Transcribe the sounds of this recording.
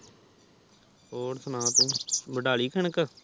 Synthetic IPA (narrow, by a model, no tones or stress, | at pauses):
oːɾsənãːt̪ũːbəɖaːliːkʰəɳəkə